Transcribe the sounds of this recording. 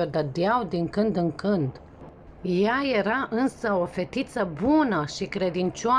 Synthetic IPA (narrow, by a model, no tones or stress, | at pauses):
od̪əd̪eawd̪iŋkɨnd̪ɨŋkɨnd̪ | jaje̞ɾaʔɨnsəo̞fe̞t̪it̪səbunəʃikɾe̞d̪int͡ʃoa